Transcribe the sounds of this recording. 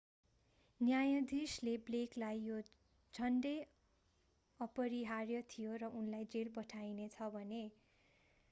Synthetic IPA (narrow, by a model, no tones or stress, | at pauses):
njajʌd̪ʱislebleklajjo | d͡zʱʌnɖʌj | ʌpʌɾiɦarjʌt̪ʰijoɾʌʔunlajd͡zelpʌʈʰajnet͡sʰʌbʱʌne